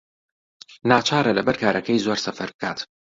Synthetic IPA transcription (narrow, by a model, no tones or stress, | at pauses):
naːt͡ʃʰaːɾɐlɐbɐɾkaːɾʔɐkɐjzoːɾsɐfɐɾbɨkʰa̰ːt̪